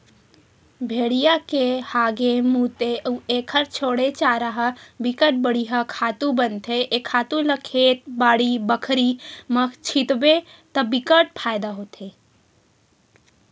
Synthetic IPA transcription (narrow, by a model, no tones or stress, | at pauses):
bʱeɽijakehaːɡemut̪eəuekʰəɾt͡ʃʰoɽet͡ʃaɾəɦəbikəʈ̚bəɽiɦəkʰaːt̪ubənt̪ʰeʔekʰaːt̪uləkʰet̪̚baːɽibəkʰɾiməkʰt͡ʃʰit̪bet̪əbikəʈpʰajd̪aɦot̪ʰe